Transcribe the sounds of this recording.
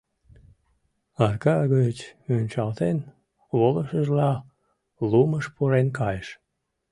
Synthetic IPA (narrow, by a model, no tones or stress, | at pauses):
ɑrkɑɣət͡ɕønʲt͡ɕɑlt̪en | βoləʃəʒlɑ | luməʃpuɾenkɑjəʃ